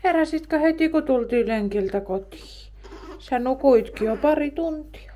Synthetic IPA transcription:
herɑsit̪kɑhet̪ikot̪ult̪iːleŋkilt̪ækot̪i̥ː | sænukuit̪kiopɑrit̪unt̪i̥ɑ̥

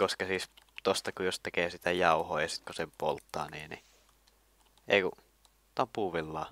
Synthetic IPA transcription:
koskɑsiːst̪ost̪ɑkujost̪ekeːsit̪æjɑˑuhoːjɑsit̪kusempo̰lt̪ːɑ̰ːniːnḭ | ʔḛˑiku | t̪ɑmpuːʋilːɑː

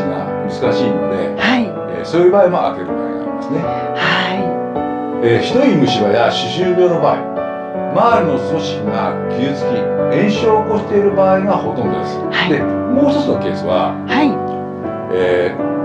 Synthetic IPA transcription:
iŋa̰mɯ̟zɨkaɕiːnod̪e̞̰haḭ | soːjɯ̟baːimoa̰ke̞ɾɯ̟ba̰ːḭa̰imḁsɨne̞ | hai | eːçi̥t̪o̞imɯ̟ɕiɾajaɕɨɕɨːɾʲo̞ːno̞baːi | maːɾʲɯno̞so̞ɕi̥kʲiŋakʲʰiɯt͡sɨ̥kʲiẽ̞ɰ̃ɕoːko̞ɕi̥t̪e̞iɾɯ̟baːiɡaho̞t̪õ̞nd̪o̞d̪esɨ̥had̪e̞moːst̪osonoke̞ːsɨβa̰ | hai | eː

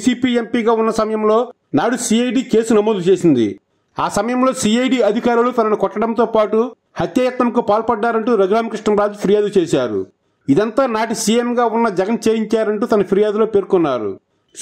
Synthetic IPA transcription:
siːpiːe̞mpiːɡaːunːɐsɐmɐjɐmlo̞ː | naːɽusiːɐjɖiːke̞ːsunɐmoːd̪ut͡ʃe̞ːsind̪ḭ | aːsɐmɐjɐmlo̞ːsiːɐjɖiːɐd̪ʱikaːɾulut̪ɐnɐnukɔʈːɐɽɐnt̪o̞ːpaːʈu | hɐt̪jaːjɐt̪nɐmkupaːlpɐɖːaːɾɐɳʈuːɾɐɡɾaːmɐkɾiʂʈɐmɾaːd͡ʒipʰiɾijaːd̪ut͡ʃeːʃaːɾṵ | id̪ɐnt̪aːnaːʈisiːjemɡaːunːɐd͡ʒɐɡɐnt͡ʃeːjiɲt͡ʃaːɾɐɳʈuːt̪ɐnɐpʰiɾijaːd̪ulo̞ːpe̞ːɾkunːaːɾṵ

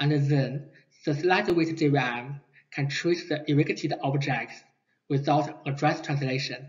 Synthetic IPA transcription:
ə̃nəðə̃n | ðəslaɪtəwetdiɹam | kʰæ̃ntʰɹisðəʔɪɹɪkɪtʰidʔɔbd͡ʒɛk̚ts | wɪθaʊtədɹɛstʰɹ̥ãnsleɪʃə̃n

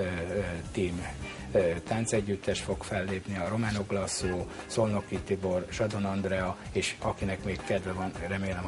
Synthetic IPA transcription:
t̪iːm | t̪ant̪sɛɟːyt̪ːɛʃfo̞kfɛlːeːpniɒɾo̞maːno̞ɡlɒsuː | so̞lno̞kːit̪ibo̞rʃɒd̪o̞nɒnd̪rɛɒeːʃɒkinɛkmeːkkɛd̪ʋvɛvɒnrɛmeːɛm

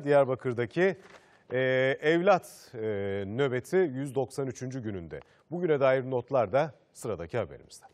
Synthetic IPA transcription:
d̪ijæɾbakʰɯɾd̪acʰi | ʔɛvlʲat̪ː | nø̞be̞t̪ʰijyzd̪o̞ksanyt͡ʃʰynd͡ʒyɟynynd̪ɛ̰ | buɟynɛd̪aːjiɾno̞t̪lˠaɾd̪a | sɯɾad̪acʰihabe̞ɾḭmizd̪ɛ

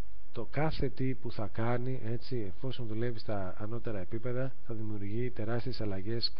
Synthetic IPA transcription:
t̪o̞kɐθe̞t̪ipuθɐkɐniʔe̞t͡sie̞fo̞so̞nðule̞vist̪ɐːno̞t̪e̞ɾɐe̞pipe̞ðɐ | θɐðimiuɾʝit̪e̞ɾɐst̪ie̞sɐlɐʝe̞s

